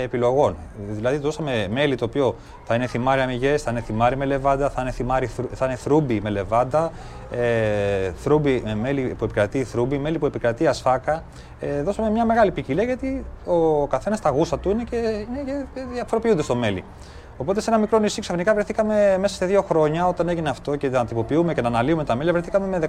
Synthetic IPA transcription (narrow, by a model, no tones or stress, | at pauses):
epilo̞ɣo̞nðilɐðit̪oðosɐme̞me̞lit̪oːpio̞ | θɐine̞θimɐɾiɐmiʝe̞sθɐine̞θimɐɾime̞le̞vɐnd̪ɐθɐineθimɐɾiθuθɐineθɾubime̞le̞vɐnd̪ɐ | eθɾubime̞lipue̞pi̥kɾɐt̪iθɾubime̞lipue̞pikɾɐt̪iɐsfɐkɐ | eðo̞sɐme̞mɲɐme̞ɣɐlipiciliɐʝɐt̪io̞kɐθe̞nɐst̪ɐɣusɐt̪uine̞ce̞ineceðiɐfo̞ɾopiund̪est̪o̞me̞lḭ | o̞po̞t̪esenɐmikɾo̞nisiksɐfinikɐvɾeθikɐme̞me̞sɐ̥st̪eðio̞xɾo̞ɲɐo̞t̪ɐne̞ʝineɐft̪o̞cenɐt̪ipo̞piume̞ce̞nɐːnɐliume̞t̪ɐme̞lɐvɾeθikɐmemeðe